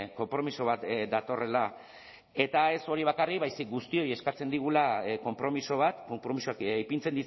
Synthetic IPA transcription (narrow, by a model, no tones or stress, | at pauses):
ko̞mpɾo̞miso̞β̞at̪d̪at̪o̞re̞la | e̞t̪ae̞so̞ɾiβ̞akarikβajsik̚ɡust̪io̞je̞skat͡se̞nd̪iɣ̞ulako̞mpɾo̞miso̞β̞at̪kompɾo̞misokjpint͡send̪is